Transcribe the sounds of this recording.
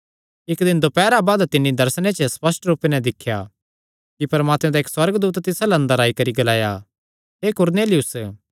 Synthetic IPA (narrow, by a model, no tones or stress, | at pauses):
ɪkd̪ɪ̃nd̪opɛːɾabaːd̪t̪ɪnːid̪ɐɾsnẽt͡ʃəspɐsʈɾuːpenɛ̃d̪ɪkʰːja | kipɐɾmaːt̪mɛ̃d̪aeːkswɐɾɡd̪uːt̪t̪ɪsalɐnd̪ɐɾaːikɐɾiɡɐlaːja | ɦeːkʊɾneːlɪjʊs